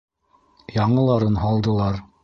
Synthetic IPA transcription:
jɑɴɤ̆lˠɑɾɤnɦɑlˠd̪ɤ̆lˠɑɾ

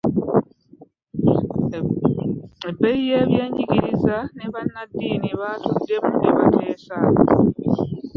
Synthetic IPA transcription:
ebːejijeːβje̞ːɲiɟiɾizaneβanːadːiːniβatudːe̞muniβatʰeːsa

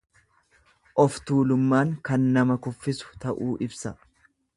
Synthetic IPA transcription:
ʔɔft̪uːlʊmːaːŋkɐnːɐmɐkʊfːɪsʊ̥t̪ɐʔuːʔɪbsɐ

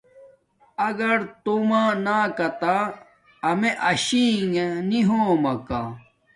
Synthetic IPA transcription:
ɐɡɐɾt̪omaːnaːkɐt̪aː | meʔɐɕiːŋeniɦoːmɐka

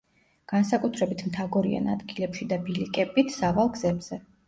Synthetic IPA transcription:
ɡ̥ansakʼut̪ʰɾɛbit̪ʰmt̪ʰaɡɔɾia̰na̰d̪ɡilɛpʃid̪abilikʼɛbit̪ʰsavalˠɡz̥ɛbz̥ɛ

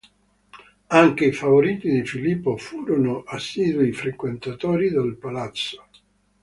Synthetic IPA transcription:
aŋk̟eifavoɾiːt̪id̪ifilipːofuːɾonoʔasːiːd̪uifɾekwent̪at̪ɔːɾid̪alpalat̪sːo̥

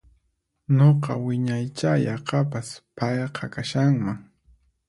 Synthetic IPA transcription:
ɲoqɑwɪɲajt͡ʃajɑqɑpaspɑjqʰɑkaʃaŋmaŋ

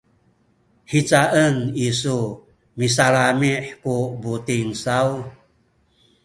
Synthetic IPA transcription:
ħit͡saʔənisu | mis̬aɾamiħkubutiŋsaw

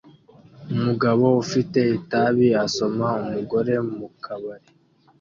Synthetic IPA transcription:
umuɡaβo̞ufite̞itaβiaso̞maumuɡo̞ɾe̞mukʰaβaɾe

